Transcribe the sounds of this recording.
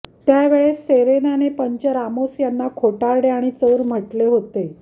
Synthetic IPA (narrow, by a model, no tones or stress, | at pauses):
t̪jaʋeɭeeɾenanepəɲt͡ɕəɾamosjanːakʰoʈaɾɽeaɽ̃it͡səʋɾm̤əʈleɦot̪e